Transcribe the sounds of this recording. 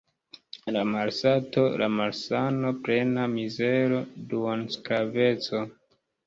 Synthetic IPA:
lamaɾsato̞lʔa̰maɾsano̞pɾe̞namizeɾo̞dunskɾave̞t͡so̞

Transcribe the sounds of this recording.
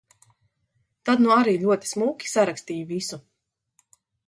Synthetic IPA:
t̪ad̪nuaɾiːlʲuɔt̪i̥smuːkʲi̥saɾakst̪iːjuvisu

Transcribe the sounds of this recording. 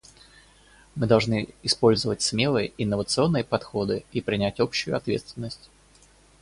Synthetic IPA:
mɨd̪ɐlˠʐnɨɪspo̞lʲzəvətʲsmʲe̞lˠɨjəɪnːəvət̪sɨo̞nːɨjəpɐt̪xo̞d̪ɨipɾʲɪnʲætʲo̞pɕːʊjʊ̰ɐt̪vʲḛt̪st̪vʲɪnːəsʲtʲ

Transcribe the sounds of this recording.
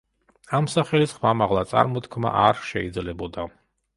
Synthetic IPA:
amsaχɛlisχwamaʁlˠat̪sʼa̰ɾmɔt̪kʰma̰ʔaɾʃɛid̪zlɛbɔd̪a

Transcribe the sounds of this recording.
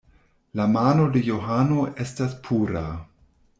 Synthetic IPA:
lamano̞dejo̞ɦano̞ʔe̞staspʰuɾa

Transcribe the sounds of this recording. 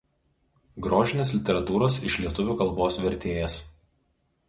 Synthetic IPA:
ɡɾoːʒʲɪnʲeːs̬ʲlʲɪt̪ʲɛɾɐt̪uːɾoːsɪ̰ʃlʲiɛt̪ʊʋʲuːkɐlˠˑboːsʋʲɛɾʲt̪ʲeːjɛs

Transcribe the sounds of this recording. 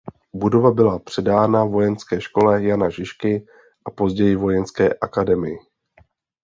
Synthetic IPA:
budo̞vabɪlapr̝̥ɛdaːnavo̞jɛnskɛːʃko̞lɛjanaʒɪʃkɪ | ʔapo̞zɟɛjɪvo̞jɛnskɛːʔakadɛmɪjɪ

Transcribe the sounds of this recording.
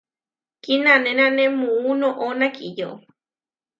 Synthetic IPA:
kinãnẽñãnẽmũũnõʔonãkijo

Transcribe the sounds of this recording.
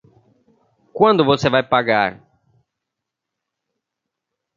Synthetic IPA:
kwɐ̃nd̪ʊvosevajpaɡa̰ɾ

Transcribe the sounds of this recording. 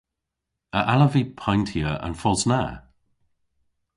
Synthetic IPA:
əʔaləvipʰãjntʰiəʔə̰̃nfɔlzna

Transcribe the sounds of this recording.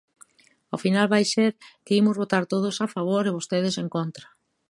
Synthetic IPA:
ofinalβajseɾkɪimʊzβot̪aɾt̪oðosafaβ̞oɾeβ̞ost̪eðɪseŋkont̪ɾa

